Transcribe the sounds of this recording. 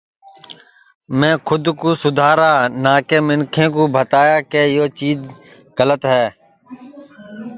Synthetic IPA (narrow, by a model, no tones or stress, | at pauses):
mɛ̃ːkʰʊd̪kuːsʊd̪ʱaːɾaːnaːkeːmɪnkʰẽːk̬oːbʱət̪aːjaːkeːjoːt͡ʃiːd͡ʒ | ɣələt̪ɦɛː